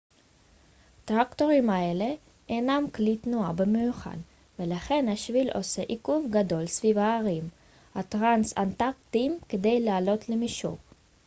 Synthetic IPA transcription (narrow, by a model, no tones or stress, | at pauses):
t̪ʁakt̪o̞ʁimaele̞ | ʔenamklit̪nuabemejuχa̰n | velaχe̞nhaʃvilʔo̞̰se̞ʔikuvɡad̪o̞lsvivaːʁim | hat̪ʁansa̰nt̪akt̪imked̪e̞jlaːlo̞t̪lemiʃṵʁ